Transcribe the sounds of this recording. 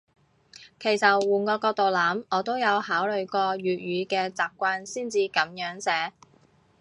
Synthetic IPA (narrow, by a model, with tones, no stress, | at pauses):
kʰe˨˩jsɐ˨wuː˨˩nkɔː˧kɔː˧k̚t̪o˨wlaː˨˥mɔː˨˧t̪o˥wjɐ˨˧whaː˨˥wlɵ˨ɥkɔː˧ɥyː˨t̚ɥyː˨˧kɛː˧t͡saː˨p̚kʷaː˧nsiː˥˩nt͡siː˧kɐ˨˥mjœː˨˥ŋsɛː˨˥